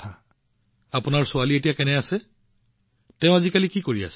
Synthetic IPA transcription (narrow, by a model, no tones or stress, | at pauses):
a | apʊnaɹsʊalietijakɛnɛasɛ | tɛʊ̃azikalikikoɹia̰sɛ